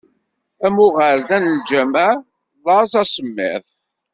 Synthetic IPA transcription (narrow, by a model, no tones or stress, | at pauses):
æmʊʁəɾðænəld͡ʒæmæ | lˤɑsæsəmːɪ̰θ